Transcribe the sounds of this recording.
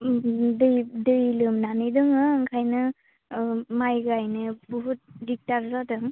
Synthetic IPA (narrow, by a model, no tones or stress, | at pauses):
dɯjdɯjlɯmnanɯjdɯŋɯːŋkʰajnɯ | majɡɯajnɯbuɦut̚dik̚taɾzadɯŋ